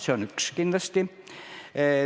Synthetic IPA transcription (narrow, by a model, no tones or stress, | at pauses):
seonykskint̪ɑst̪i